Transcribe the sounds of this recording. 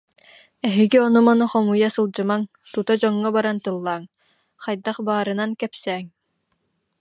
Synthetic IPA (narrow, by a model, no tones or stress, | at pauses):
ɛɦiɡiɔnumɔnuχɔmujasɯlˠd͡ʑɯmaŋ | t̪ut̪ad͡ʑɔŋːɔbaɾant̪ɯlˠːaːŋ | χajd̪aχbaːɾɯnankɛpsɛːŋ